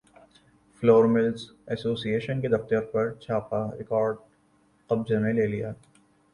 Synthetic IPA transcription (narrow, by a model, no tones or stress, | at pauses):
floːɾmɪlsɛsoːsieːʃənked̪ɐft̪əɾpɐɾt͡ʃʰaːpaɾɪkɔːɾɖ | qɐb̚d͡ʒanẽleːlijaː